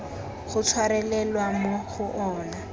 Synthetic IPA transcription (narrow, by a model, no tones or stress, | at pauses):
χʊt͡sʰwaɾɛlɛlwamoχʊʔɔːna